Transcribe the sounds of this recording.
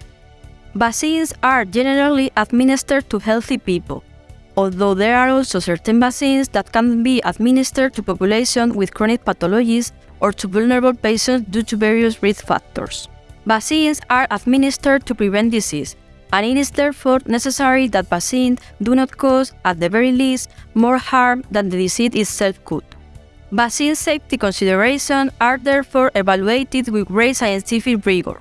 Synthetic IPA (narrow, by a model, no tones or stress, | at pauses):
basĩnsaɹd͡ʒɛneɾaliʔad̪mĩnist̪əɹ̚t̪uhɛlθipipə̰l | ɔlðoðeɾaɾɔlsosɛɹt̪ẽnbasĩnsðat̪̚kãnbiʔad̪mĩnist̪əɹ̚t̪upɔpjuleʃõnwiðkɾɔnik̚pat̪ɔlɔd͡ʒis | ʔoɹt̪ʰuvulnəɾaβlpesə̃nsd̪jut̪uvɛɹiusɹiθfa̰k̚t̪o̰ɹsbasĩnsaɹʔad̪mĩnist̪əɾ̚t̪upɾivɛ̃nd̪isis | ãnitisðɛɹfoɹnɛsesaɹiðat̪̚basĩnd̪unɔt̪kʰosat̪̚ðəvɛɹilist̪moɹhaɹmd̪ãnd̪əðisit̪it̪sɛlfkut̪ | basĩnsejft̪ikõnsiðəɹeʃõnaɹðɛɹfɔɹʔevaluejt̪id̪wiðɹejsajẽnt̪ifikɹiɡo̰ɹ